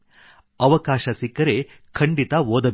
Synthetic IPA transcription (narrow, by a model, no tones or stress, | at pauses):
ɐʋɐkaːʃɐsikːɐɾe | kʰɐɳɖit̪ɐʋoːd̪ɐ